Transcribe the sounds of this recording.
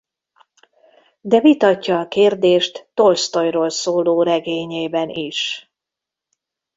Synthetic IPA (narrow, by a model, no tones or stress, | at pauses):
d̪ɛvit̪ɒcːɒːkeːrd̪eːʃt̪ːolst̪o̞jroːlsoːloːɾɛɡeːɲeːbɛniʃ